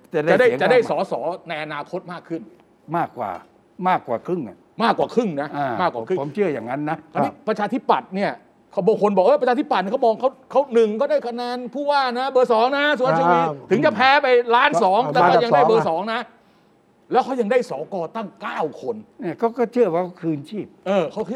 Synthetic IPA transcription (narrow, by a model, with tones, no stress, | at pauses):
ta˨˩da˥a˨˩da˥˩˦t͡ɕa˨˩da˥˩jsɔː˩˦sɔː˩˦na˧jʔa˧naː˧kʰo˦˥t̪̚maː˥˩kʰːɯ˥˩n | maː˥˩kwa̰ː˨˩ | maː˥˩kwa̰ː˨˩kʰɯ˥˩ŋʔa˧˩ | maː˥˩kːwaː˨˩kʰɯ˥˩ŋna˦˥a˧maː˥˩kːwaː˨kʰɯ˥˩˨mŋt͡ɕʰɯ˥˩ɐjaː˨˩ŋːa˦˥nːa˦˥ɔ˧i˦˥˩pɾa˧t͡ɕʰaː˧t̪ʰi˦˥˩pːa˨˩t̪̚ni˥˩ɐ | kʰa˥˩bɔː˧ŋkʰo˧nbɔː˨˩k̚ʔɤ˧˥˩pɾt͡ɕʰaː˧t̪ʰi˦˥pa˨˩t̪ni˧˥˩kʰmɔː˧ŋkʰa˦˥wkʰa˦˥wnɯ˨˩ŋkʰa˥˩daː˥˩jkʰa˧naː˧npʰuː˥˩waː˥˩na˦˥bɤː˧˩sɔː˨˦ŋna˦˥s̬u˨˦˥i˧niː˧˩t̪ʰɯ˨˩˦ŋt͡ɕa˨˩pʰɛː˦˥pa˧jlaː˦˥nsɔː˨˩˦ŋt̪ɛː˧˩kɔ˥˩ja˧daː˥˩˦bɤː˧sɔː˩˦ŋna˦˥ | lɛː˦˥wkʰa˦˥˩wja˧ŋdaː˥˩jsɔː˩˦kɔː˧t̪a˥˩ŋkaː˥˩wkʰo˧nnɛː˧˩kɔː˥˩kɔː˥˩t͡ɕʰɯ˥˩ɐwaː˥˩kʰɔ˦˥˩kʰɯː˧nt͡ɕʰiː˥˩p̚ʔɤː˧kʰa˦˥wkʰ